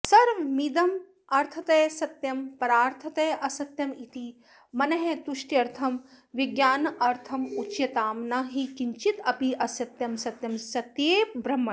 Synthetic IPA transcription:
sɐɾmid̪ɐm | ɐɾt̪ʰɐt̪ɐjsɐt̪jɐmpɐɾaːɾt̪ʰɐt̪ɐjʔɐsɐt̪jɐmit̪i | mɐnɐɦet̪uʃʈiɐɾt̪ʰɐm | ʋiɡjaːnɐʔɐɾt̪ʰɐmut͡ʃjɐt̪aːmnaːɦikiɲt͡ʃit̪ɐpiʔɐsɐt̪jɐmsɐt̪jɐmsɐt̪jeːbɾɐmːɐ

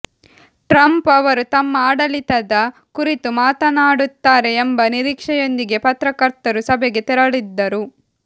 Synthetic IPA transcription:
ʈɾɐmpɐʋɐɾut̪ɐmːɐaːɽɐlit̪ɐd̪ɐkuɾit̪umaːt̪ɐnaːɽut̪ːaːɾe̞ːmbɐniɾiːkʂɛjo̞nd̪iɡe̞pɐt̪ɾɐkɐɾt̪ɐɾusɐbɛɡe̞t̪ɛɾɐɭid̪ːɐɾu

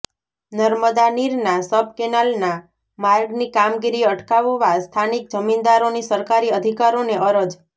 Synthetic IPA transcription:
nəɾməd̪aniɾnasəb̚ʱkenalna | maɾɡnikamɡiɾiəʈkaʋʋast̪ʰanik̚d͡ʒəmind̪aɾonisəɾkaɾiəd̪ʱikaɾoneʔəɾəd͡ʒ

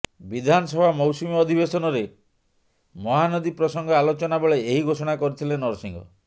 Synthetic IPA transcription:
bid̪ʱanɔsɔbʱamɔwsumiɔd̪ʱibesɔnɔɾe | mɔɦanɔd̪ipɾɔsɔŋɡɔalot͡ʃɔnabeɭeeɦiɡʱosɔɽ̃akɔɾit̪ʰilenɔɾsiŋɡɔ̰

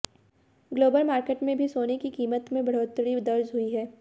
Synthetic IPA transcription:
ɡloːbəlmaːɾkeːʈmẽbʱisoːnekikiːmət̪mẽbɐɽ̤oːt̪ɽid̪ɐɾzɦʊiɦɛː

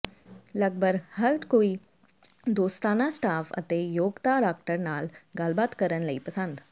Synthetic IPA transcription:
lɐɡ̚bəɾhɐɾkoːi | d̪oːst̪aːnasʈaːfɐ̰t̪ejoːɡt̪aɖaːk̚ʈəɾnaːlɡaːlbaːd̪kəɾənlɐipɐsə̃nd̪

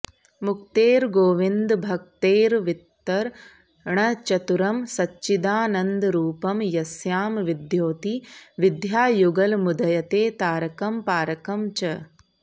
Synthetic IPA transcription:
mukt̪eːɾɡoːʋind̪bʱɐk̚t̪eːɾʋit̪ːɐɾ | ɳɐt͡ʃɐt̪uɾɐmsɐt͡ʃːt͡ʃːʃid̪aːnɐnd̪ɾuːpɐmjɐsjaːmʋid̪joːt̪iʋid̪ʱjaːjuɡɐlmud̪ɐjɐt̪eːt̪aːɾɐkɐmpaːɾɐkɐmt͡ʃɐ

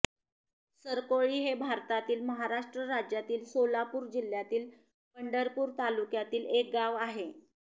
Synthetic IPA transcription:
səɾkoɭiːɦebʱaɾt̪at̪iːlməɦaɾaʂʈɾəɾad͡ʑjat̪iːlsolapuːɾd͡ʑil̤jat̪iːl | pəɳɖəɾpuːɾt̪alukjat̪iːlek̚ɡaʋaɦe

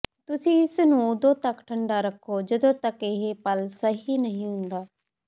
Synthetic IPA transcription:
t̪ʊsĩːɪsnũːʊd̪õːt̪əkʈʰəɳɖaːɾəkʰːoːd͡ʒəd̪õːt̪əkɪɦepəlsəɦiːnəɦĩɦʊ̃nd̪aː

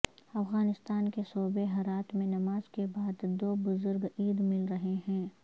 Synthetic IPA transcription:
ɐfɣaːnɪst̪aːnkesoːbeɦɐɾaːt̪mẽnɐmaːzkebaːd̪ːoːbʊzʊɾɡiːd̪mɪlɾɐɦeɦɛ̃ː

